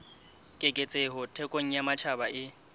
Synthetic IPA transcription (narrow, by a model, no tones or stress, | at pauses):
kʼekʼet͡sʼeɦʊtʰɛkʼoŋ̩jamat͡ʃʰabaʔɪ